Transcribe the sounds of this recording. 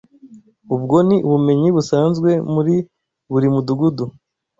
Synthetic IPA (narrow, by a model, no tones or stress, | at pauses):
ubɡo̞niuβume̞ɲiβusaːnzɡwe̞muɾi | βuɾimuduɡudu